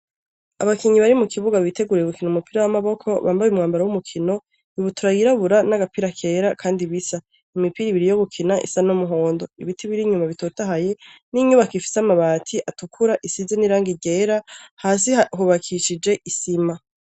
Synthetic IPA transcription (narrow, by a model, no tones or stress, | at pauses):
a̰βakiɲiβaɾimukʰiβuɡaβitʰe̞ɡuɾeɡukinoumupiɾawamaβo̞kʰo̞βaːmbajumŋaːmbaɾawumukʰino̞ | iβutʰuɾajiɾaβuɾanaɡapiɾakʰe̞ːɾakʰaːndiβisa | imipiɾiβiɾijo̞ɡukʰinaʔḭsanomuɦo̞ːndo̞ḭβitʰiβiɾiɲumaβitoːtaɦaje̞niɲuβakifi̥samaβaːtʰiʔatukʰuɾaʔisizeniɾaːŋɡiɟeːɾahaːs̬iɦuβakʰiʃid͡ʒe̞ʔisima